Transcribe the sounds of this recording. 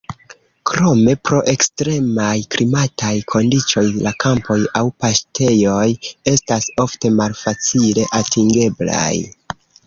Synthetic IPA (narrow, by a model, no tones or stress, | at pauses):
kɾo̞me̞pɾo̞ʔe̞kstɾe̞majkɾimatajkʰo̞ndit͡ʃo̞jlakampo̞jawpastʰe̞jo̞je̞staso̞fte̞malfat͡sile̞ʔatiŋɡe̞bla̰j